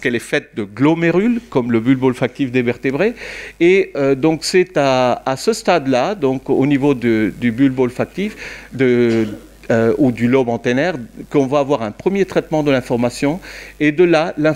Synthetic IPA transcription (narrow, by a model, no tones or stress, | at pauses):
skɛlɛfɛt̪̚d̪əɡlomeʁylkɔmləbylbɔlfak̚t̪ifd̪ebɛʁt̪ebʁeeød̪ɔ̃ksɛt̪aːsəst̪ad̪lad̪ɔ̃konivod̪əd̪ybylbɔlfak̚t̪ifd̪ə | øud̪ylɔbɑ̃t̪enɛʁkəɔ̃vaːvwaʁɛ̃pχəmjet̪χɛt̪mɑ̃d̪əlɛ̃fɔʁmasjɔ̃ed̪əlalɛ̃